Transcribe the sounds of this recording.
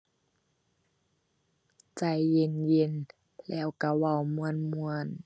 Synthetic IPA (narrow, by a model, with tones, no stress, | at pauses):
t͡ɕa˧˩jːe˧˨nje˧˥˨n | lɛː˧˩˨wka˧˩wa˧˩˨wmu˧˨ənmu˧ən